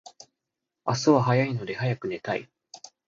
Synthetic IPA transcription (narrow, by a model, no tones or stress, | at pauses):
asɨβaɦajaino̞d̪e̞hajakɯ̟ne̞t̪aḭ